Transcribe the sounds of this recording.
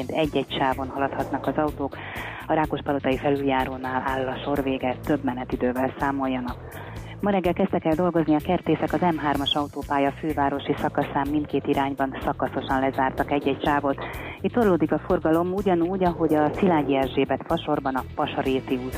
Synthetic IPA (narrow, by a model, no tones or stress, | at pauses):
nt̪ɛɟːɛcʃaːvo̞nɦɒlɒt̪hɒt̪nɒkɒzɒut̪oːk | ɒɾaːko̞ʃpɒlo̞t̪ɒjifɛlyljaːɾoːnaːlaːlːɒʃo̞rveːɡɛt̪ø̞bmɛnɛt̪id̪øːvɛlsaːmo̞jːɒnɒk | mɒɾɛɡːɛlkɛz̥t̪ɛkɛld̪o̞lɡo̞zniɒkɛrt̪eːsɛkɒzɛmɦaːrmɒʃɒut̪oːpaːjɒføːvaːɾo̞ʃisɒkɒsaːmːint̪̚keːt̪iɾaːɲbɒnsɒkɒso̞ʃɒnlɛzaːrt̪ɒkɛɟːɛcʃaːvot̪it̪ːorloːd̪ikɒfo̞rɡɒlo̞muɟɒnuːɟɒɦo̞ɟɒsilaːɟiɛʒʒeːbɛt̪fɒʃo̞rbɒnɒpɒʃɒɾeːt̪iuːt̪